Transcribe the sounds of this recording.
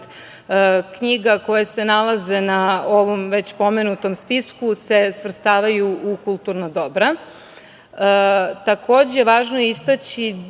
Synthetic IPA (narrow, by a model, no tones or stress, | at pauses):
kɲiɡako̞jesenalˠaze̞naoʋomʋe̞t͡ɕpo̞me̞nut̪o̞mspiskuse̞sʋr̩st̪aːʋajuʔukulˠt̪uɾnad̪o̞bɾa | t̪akʰo̞ːd͡ʑejeʋaːʒnojist̪at͡ɕi